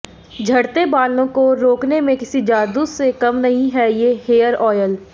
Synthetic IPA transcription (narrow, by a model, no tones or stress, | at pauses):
d͡ʒʱɐɽt̪ebaːlõkoɾoːknemẽkɪsid͡ʒaːd̪usekɐmnɐɦĩɦɛjeɦeːəɾɔːjəl